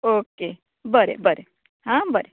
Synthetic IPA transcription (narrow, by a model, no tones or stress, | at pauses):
oke | bəɾḛbəɾe | ɦãbəɾe